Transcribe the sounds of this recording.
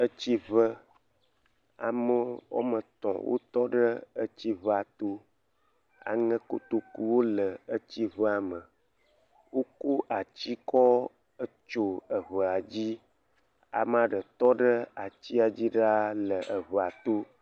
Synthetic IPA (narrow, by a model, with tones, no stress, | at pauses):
ə˦t͡ɕi˦və˦ | a̰˨mə˦wo̰˦mə˨t̪ɔ̰̃˨wʔo̰˦t̪ɔ˦ɖə˦ə˦t͡ɕi˦βə˦a˨t̪o˦ | a̰˨ŋə̃˦ko̰˨t̪o˦ku˦wo˦lə˨ə˦t͡ɕi˦βə˦a˨mə˨ | wo˦ko˦ʔa˨t͡ɕi˦kɔ˦ | ə˦t͡ʃo˦ə˨βə˨a˨d͡ʑi˦ | a̰˨m˦a˨ɖə˨t̪ɔ˦ɖə˦a˨t͡ɕi˦a˨d͡ʑi˦ɖa˦lə˨ʔə˨βə˨a˨t̪o˦